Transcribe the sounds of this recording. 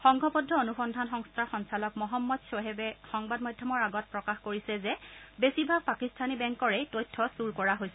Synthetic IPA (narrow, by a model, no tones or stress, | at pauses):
xɔŋɡɔpɔdʱɔonuxɔndʱanxɔŋstʰaxɔnsalɔkmɔɦɔmːɔdsoɦɛbɛxɔŋbadmɔjdʱjɔmɔɹaɡɔt̚pɹɔkaxkoɹisɛzɛbesibʱab̚pakistʰanibɛŋkɔɹɛjtojtʰːɔsuɹkɔɹaɦojsɛ